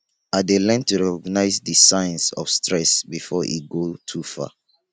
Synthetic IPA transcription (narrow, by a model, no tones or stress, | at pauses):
adelɛ̃ntuɹɛkɔɡnaɪzdisãɪ̃nsɔ̰fstɹɛsbifɔʔḭt̚ɡotʰufa̰